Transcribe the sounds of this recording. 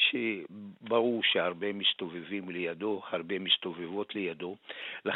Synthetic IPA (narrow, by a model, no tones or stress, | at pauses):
ʃebaʁuʁʃeaʁbemist̪ovevimlejad̪o̞haʁbe̞mist̪ovevo̞tlejad̪o̞la